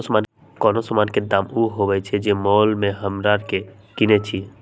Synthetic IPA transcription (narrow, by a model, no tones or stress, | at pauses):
sman | kɔːnosɔmanked̪amuɦobɛt͡ʃʰɛd͡ʒemɔːlmẽɦəmɾaɾke | kinet͡ʃʰi